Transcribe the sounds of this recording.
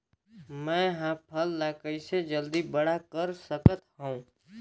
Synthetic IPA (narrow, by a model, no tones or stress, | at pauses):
mɛ̃ːɦãpʰəlːaːkəised͡ʒəld̪ibəɽakəɾsəkət̪ɦõũ